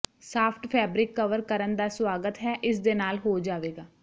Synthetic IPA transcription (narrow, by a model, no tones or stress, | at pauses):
saːpʰʈpʰɛːbɾɪkːəʋəɾkəɾənd̪aːsʋaːɡət̪ɦɛːʔɪs̬d̪eːnaːlɦoːd͡ʒaːʋeːɡaː